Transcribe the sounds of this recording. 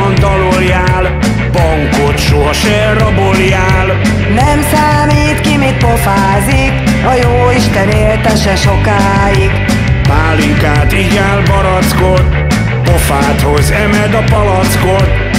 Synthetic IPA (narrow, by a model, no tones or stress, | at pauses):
ont̪ɒloljaːl | bɒŋkot̪ʃoɒʃɛrrːɒboljaːl | nɛmsaːmiːt̪kimit̪̚po̞faːzik | ɒjoːiʃt̪ɛneːlt̪ɛʃɛʃo̞kaː | iɡ | paːliŋkaːt̪iːɟaːlbɒɾɒt̪skot̪ | pofaːt̪ho̞zɛmɛd̪ɒpɒlɒt̪skot̪